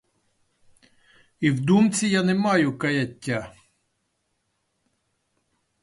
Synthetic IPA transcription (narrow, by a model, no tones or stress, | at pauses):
iwd̪umt͡sʲijanɛmɑjʊkɐjɐtʲːa